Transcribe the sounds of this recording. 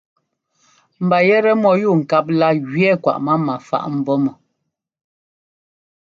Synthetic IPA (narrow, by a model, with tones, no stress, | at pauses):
m̩˨ba˨jɛ˦ɾɛ˦mɔ˨ju˦˨ŋ̩˨ka˦p̬̚la˦ɣɥɛ˦˨kwa̰˨ʔma˦ma˨fa̰˦˨ʔm̩˨bɔ˦mɔ˨